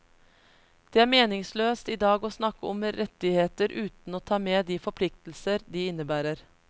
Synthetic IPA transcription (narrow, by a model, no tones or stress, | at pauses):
d̪̥eːæːɾmeːnɪŋsløːst̪iːd̪ɑːɡoːsnɑkːəɔmɾɛt̪ɪheːt̪əɾʔʉːt̪n̩oːt̪ʰɑːmeːd̪iːfɔɾpʰlɪk̚t̪l̩səɾd̪iːɪnəbæːɾəɾ